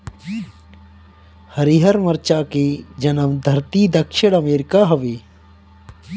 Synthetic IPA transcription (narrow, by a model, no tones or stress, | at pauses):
hɐɾiɦɐɾmɐɾt͡ʃaːked͡ʒɐnəmd̪ʱɐɾt̪iːd̪ɐkʃɪɽ̃ɐmeːɾɪkaɦɐʋeː